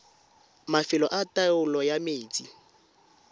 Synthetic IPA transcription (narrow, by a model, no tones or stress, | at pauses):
mafɪlɔʔataʊlɔjameːt͡sʼi